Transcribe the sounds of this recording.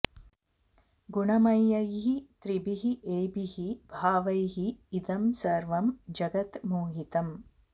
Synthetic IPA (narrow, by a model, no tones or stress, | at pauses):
ɡuɳɐmɐjːɐjɦit̪ɾibiɦiʔeːbiɦibʱaːʋɐjɦiːd̪ɐmsɐɾʋɐmd͡ʒɐɡɐt̪muːɦit̪ɐm